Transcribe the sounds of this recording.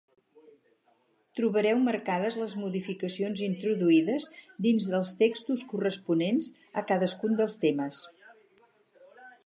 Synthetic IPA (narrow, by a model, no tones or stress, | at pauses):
t̪ɾuβəɾɛwmərkaðəzləzmuðifikəsionzint̪ɾuðuiðəzd̪inzðəlˠst̪ekst̪uskurəspunenz | əkaðəskund̪əlˠst̪eməs